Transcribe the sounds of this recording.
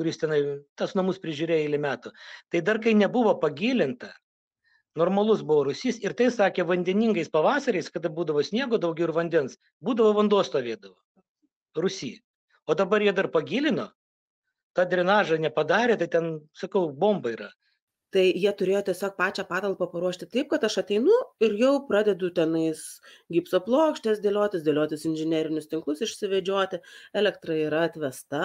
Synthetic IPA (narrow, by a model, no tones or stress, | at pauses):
kʊɾʲɪst̪ʲɛnɐɪt̪ɐsnɐmʊspʲɾʲɪʒʲuːɾʲeːjɪlʲɪmʲæːt̪ʊt̪ɐɪd̪ɐrkɐɪnʲɛbʊʋoːpɐɡʲiːlʲɪnt̪ɐ | noːrmɐlˠʊsbʊʋoːɾʊsʲiːsɪɾt̪ɐɪsɑːkʲeːʋɐnʲd̪ʲɛnʲiŋɡɐɪspɐʋɑːsɐɾʲɐɪskɐd̪ɐbuːd̪ɐʋoːsʲnʲiɛɡoːd̪ɐʊɡʲɛʊɪɪʋɐnʲd̪ʲɛns | buːd̪ɐʋoːʋɐnd̪uɔst̪oːʋʲeːd̪ɐʋoː | rʊsʲḭː | oːd̪ɐbɐɾjiɛd̪ɐrpɐɡʲiːlʲɪno | t̪ɑːd̪ʲɾʲɛnɑːʒɐnʲɛpɐd̪ɑːɾʲeːt̪ɐɪt̪ʲɛnsɐkɐʊboːmbɐiːɾɐ | t̪ɐɪjiɛt̪ʊɾʲeːjoːt̪ʲɛsʲoːk̚pɑːt͡ʃʲɛːpɑːt̪ɐlˠpɐpɐɾuɔʃʲt̪ʲɪt̪ɐɪp̚kɐt̪ɐʃɐt̪ʲɛɪnʊɪrjɛʊprɑːd̪ʲɛd̪ʊt̪ʲɛnɐɪs | ɡʲiːpsoplˠoːkʃʲt̪ʲɛsd̪ʲeːlʲoːt̪ʲɪsd̪ʲeːlʲoːt̪ʲɪsɪnʲʒʲɪnʲæːɾʲɪnʲʊst̪ʲɪŋklˠʊsɪʃʲsʲɪʋʲɛd͡ʒʲoːt̪ʲɪɛːlʲɛkt̪rɐiːɾɐɐt̪ʲʋʲɛst̪ɐ